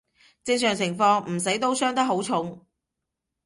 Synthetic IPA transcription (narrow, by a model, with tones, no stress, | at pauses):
t͡sɪ˧ŋsœː˨˩ŋt͡sʰɪ˨˩ŋfɔː˧ŋm̩˨˩sɐ˨˥jt̪o˥wsœː˥ŋt̪ɐ˥k̚ɦo˨˥wt͡sʰʊ˨˥ŋ